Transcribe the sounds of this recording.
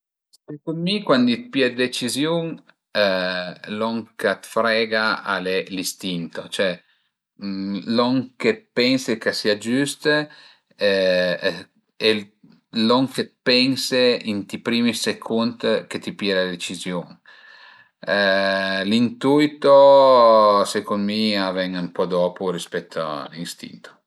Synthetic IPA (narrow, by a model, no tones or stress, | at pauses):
ssekund̪mikwand̪it̪̚pjɛd̪et͡ʃizjuŋ | lɔŋkat̪fɾɛɡaa̰lelist̪int̪ot͡ʃoɛ | lɔŋkepɛnsekesiad͡ʒyst̪ | e | loŋket̪pɛnseint̪ipɾiːmisekʰunt̪ket̪ipjɛdad̪et͡ʃizjoːn | lint̪uit̪o | sekonmiavɛŋampɔd̪ɔːpuɾispɛt̪ʰːoa̰linst̪ḭnt̪o̥